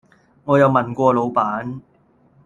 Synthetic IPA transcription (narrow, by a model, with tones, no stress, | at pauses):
ŋɔː˨˧jɐ˨˧wmɐ˨˩nkʷɔː˧lo˨˧wpaː˨˥n